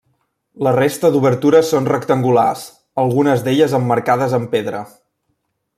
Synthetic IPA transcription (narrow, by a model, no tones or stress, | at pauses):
lərest̪əd̪uβəɾt̪uɾəsonrəkt̪əŋɡula̰s | əlˠɣunəzd̪eʎəzəmːəɾkaðəzəmpeðɾə